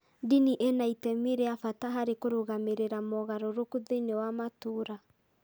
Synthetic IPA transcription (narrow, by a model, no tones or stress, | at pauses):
diniʔɛnaitɛmiɾeafataɦaɾekoɾoɣameɾeɾamɔɣaɾoɾokuðeinewamatoːɾa